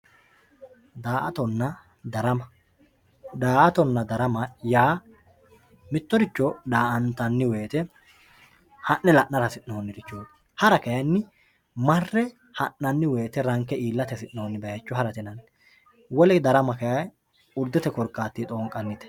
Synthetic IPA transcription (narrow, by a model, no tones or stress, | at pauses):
d̪aːʔɐt̪ɔnːɐ | d̪ɐɾɐmɐ | d̪aːʔɐt̪ɔnːɐd̪ɐɾɐmɐjaː | mɪt̪ːɔɾɪt͡ʃːɔd̪aːʔɐnt̪ɐnːɪweːt̪ɛ | hɐʔːɛlɐʔnːɐɾɐsɪnnoːnːɪɾɪt͡ʃːoː | hɐɾɐkɐjɐnːɪ | mɐrːɛ | hɐnːɐnːɪwe̞ːt̪ɛɾɐŋkɛʔiːlːɐt̪ɛsɪnːoːnːɪbɐjɐt͡ʃːɔɦɐɾɐt̪ɛnɐn | wɔlɛd̪ɐɾɐmɐkɐjɐj | ʊɾd̪ːɛt̪ɛkɔɾkʼːaːt̪ːit̪ʼoːŋkʼːɐnːɪt̪ɛ̥